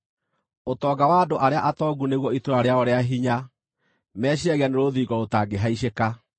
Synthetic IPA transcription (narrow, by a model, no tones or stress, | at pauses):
otɔːɡawaːdoʔaɾeaʔatɔɡuneɣwɔitoaɾeaɔɾeaɦiɲa | mɛːɕiaɣeaneɾoðiɡɔotaːɡeɦaiɕeka